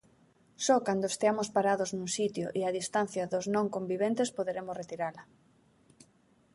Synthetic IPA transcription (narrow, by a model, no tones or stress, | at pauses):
sɔkand̪oest̪eamospaɾaðʊznũŋsit̪jo̰ʔiaðist̪an̟θjaðoznõŋkombiβent̪espoðeɾemosret̪iɾalɐ